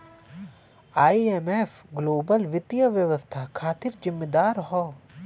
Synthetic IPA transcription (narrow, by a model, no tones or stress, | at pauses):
aːieːmefɡloːbəlʋɪt̪ijəʋjəʋəst̪ʰakʰaːt̪ɪɾd͡ʒɪmːed̪aːɾɦɔː